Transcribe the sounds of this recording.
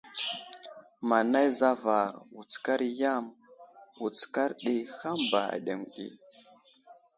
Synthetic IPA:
ma˨na˦jza˦va˨ɾwu˨t͡ska˦ɾja˦mwu˨t͡ska˦ɾɗi˦xa˦mba̰˨a̰˨ɗe˨ŋɗḭ˨

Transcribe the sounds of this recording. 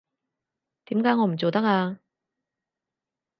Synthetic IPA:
t̪iː˨˥mkaː˨˥jŋɔː˨˧m̩˨˩t͡so˨wt̪ɐ˥k̚aː˧

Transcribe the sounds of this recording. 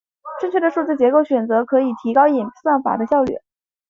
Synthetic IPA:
ʈ͡ʂɤ˥˧ŋt͡ɕʰɥɛ˥˩d̪ə˩ʂu˥˩t͡sɹ̩˥˩t͡ɕjɛ˧˥ko˥˩ʊɕɥɛ˨˩nt͡sɤ˧˥kʰɤ˧˥i˨˩t̪ʰi˧˥kɑ˥ʊi˨˩npswa˥˩nfa̰˨˩d̪ə˦ɕjɑ˥˧ʊly̰˥˩

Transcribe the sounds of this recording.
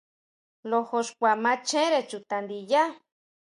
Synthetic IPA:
lo˧ho˧ʂkʷa˨mã˧˦t͡ʃẽ˦ɾe˧t͡ʃu˨t̪a˨nd̪i˧ja˦

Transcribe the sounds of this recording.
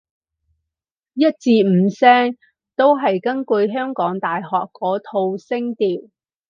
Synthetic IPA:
jɐ˥t̚t͡siː˧m̩˨˧sɛː˥ŋ | t̪o˥wɦɐ˨jkɐ˥nkɵ˧jɦœː˥ŋkɔː˨˥ŋt̪aː˨jɦɔː˨kːɔː˨˥t̪ʰo˧wsɪ˥ŋt̪iː˨w

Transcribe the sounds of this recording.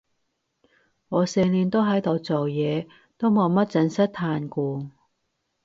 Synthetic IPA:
ŋɔː˨˧sɛː˨˧liː˨nt̪o˥wɦɐ˨˥jt̪o˨˧wt͡so˨wjɛː˨˧ | t̪o˥wmo˨˧ŋmɐ˥t̚t͡sɐ˧nsɐ˥t̚t̪ʰaː˧nkuː˧

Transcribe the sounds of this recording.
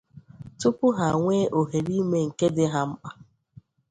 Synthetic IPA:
tʊ˦pʊ˦ɦa˨ŋʷeː˦ʔo˨ɦe˨ɾi˦me˦ŋ̩˨ke˦dɪ˦ɦa˦m̩˦k͡pa˦

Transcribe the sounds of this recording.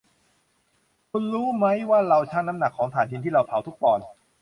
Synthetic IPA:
kʰu˧nɾuː˦˥ma˦˥jwaː˥˩ɾa˧wt͡ɕʰaː˥˩ŋna˦˥mna˨˩kʰːɔː˩˦ŋt̪ʰaː˨˩˦nʰi˧nt̪ʰiː˥˩ɾa˧wpʰa˨˩wt̪ʰu˦˥k̚pɔː˧n

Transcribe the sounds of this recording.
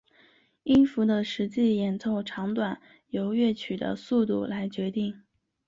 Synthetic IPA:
i˥nfu˧˥d̪ə˧ʂɻ̩˧˥t͡ɕi˥˩jɛ˨˩nt͡sʰo˥˩ʊʈ͡ʂʰɑ˧˥ŋt̪wa˨˩n | jo˧˥ʊɥɛ˥˩t͡ɕʰy˨˩d̪ə̰˦su˥˧t̪u˥˩la˧˥ɪt͡ɕɥɛ˧˥t̪i˥˩ŋ

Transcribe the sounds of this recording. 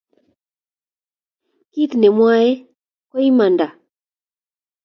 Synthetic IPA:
ki˦t̪nɛ˨mwa˦jɛ˦ | kɔ˦i˦ma˨nda˨

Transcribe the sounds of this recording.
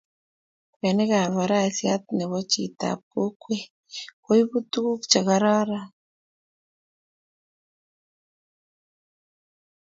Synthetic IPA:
kwe˨ne˦ɣa˨βa˨ɾa˦˨sja˦t̪ne˨βɔ˦t͡ʃi˨ta̰˨p̚ko˦kwe˦ | ko˦i˦βu˦tu˦ku˦kt͡ʃa˨ɣa˨ɾa˦ɾa˦

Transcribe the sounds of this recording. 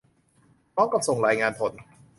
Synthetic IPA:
mɔː˦˥ŋka˨˩p̚so˨˩ŋɾaː˨˧˦jŋaː˧npʰo˩˦n

